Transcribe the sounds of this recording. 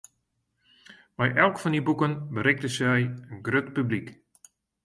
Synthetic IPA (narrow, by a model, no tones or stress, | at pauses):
mɛjʔɛlˠkfɔndibukənbəɾɪk̚dəsɛjənɡrøtpyblik